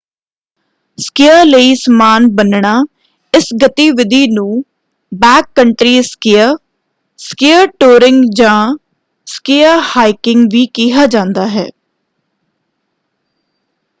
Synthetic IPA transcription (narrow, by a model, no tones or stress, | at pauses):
skɪjaləiːsmaːnbənɳaː | ɪsɡət̪iːʋɪd̪ʱiːnũː | bɛːkːəɳʈɾiːskɪjəɾ | skɪəɾʈoːɾɪŋɡd͡ʒãː | skɪəɾhaːɪkɪŋɡʋiːkiɦaːd͡ʒãːnd̪aːɦɛ̰ː